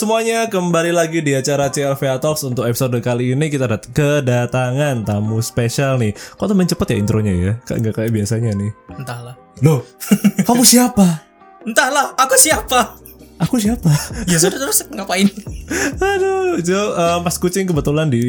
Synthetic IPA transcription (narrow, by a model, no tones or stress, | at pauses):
səmuaɲakəmbalilaɡidiat͡ʃaɾat͡ʃeɛlfeat̪ɔksunt̪ʊkepisodəkaliːnikit̪adat̪kədat̪aŋant̪amuspeʃalnɪhkot̪əməɲt͡ʃəpət̪jaḭnt̪ɾʔoɲaja̰ka̰ŋɡakajaʔbiasaɲanɪhənt̪ahlah | lohkamusiapa | ənt̪ahlahakusiapa | akus̬iapajasodat̪əɾʊsŋapaɪn | adod͡ʒoəpaskut͡ʃɪŋkəbət̪ulandi